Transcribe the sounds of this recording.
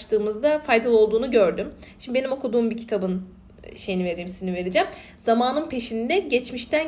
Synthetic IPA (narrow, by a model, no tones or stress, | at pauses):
ʃt̪ʰɯːmɯzd̪afajd̪alˠo̞lˠd̪uːnuɟø̞ɾd̪ymʃimdibe̞nimo̞kʰud̪uːmbicʰit̪ʰabɯn | ʃe̞jinive̞ɾeimsiinive̞ɾed͡ʒɛm | z̥amaːnɯnpʰe̞ʃind̪ɛɟɛt͡ʃmiʃt̪ʰæn